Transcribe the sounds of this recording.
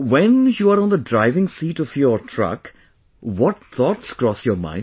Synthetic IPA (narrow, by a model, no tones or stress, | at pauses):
ʋɛ̃njuːaɾɔ̃ːnd̪əɖɾaɪʋɪ̃ŋsiːʈɔʋjɔɾʈʰɾʌ̰k | ʋɔʈ̚θʰɔːʈskɾɔsjɔːɾmã̰ɪ̃